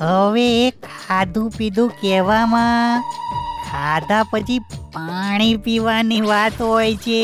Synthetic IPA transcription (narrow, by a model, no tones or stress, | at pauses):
ɦəʋeːkʰad̪ʱũpid̪ʱũkɛʋamã | kʰad̪ʱapət͡ʃʰipaɽ̃ipiʋaniʋat̪ɦojt͡ʃʰe